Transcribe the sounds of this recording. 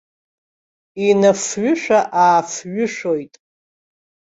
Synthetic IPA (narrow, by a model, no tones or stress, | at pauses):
inafɥʊʂᶣaʔaːfɥʊʂojtʼ